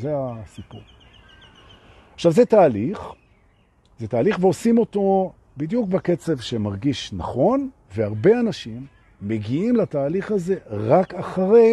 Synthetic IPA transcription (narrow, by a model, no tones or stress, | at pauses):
zeasipuʁ | aχʃavzetaːliχ | zet̪aːliχveo̞simo̞to̞ | bid̪juk̚bake̞t͡se̞vʃemaʁɡiʃnaχo̞n | veaʁbe̞anaʃimː | e̞ɡiimlataːliχaze̞ʁakaχaʁe